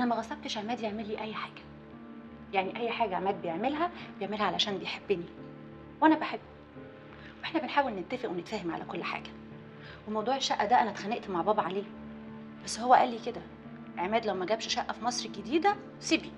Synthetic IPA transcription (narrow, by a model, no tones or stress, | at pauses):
ʔænæmæɣɑsˤɑb̚t̪eʃʕemæːd̪jeʕmelːiːʔæjːħaːɡ̥æ̥ | jaʕniʔæjːħaːɡæʕmæːd̪̚bejeʕmelɦæbejeʕmelhæʕalæʃæːnbejħebːeni | wʔænæbeħebː | wʔeħnæbenħaːwelnent̪ːæfeʔwenet̪fæːhemʕa̰lʔæ̰kolːħa̰ːɡæ̥ | wemɑwd̪ˤuːʕeʃːæʔːæd̪æʔænæt̪xæneʔt̪maʕbɑːbʕaleː | bæsːhowːæʔæːlːiked̪æ | ʔeʕmæːd̪læwmæɡæːbʃʃæʔːæfimɑsˤɾɡed̪iːd̪æ | sebi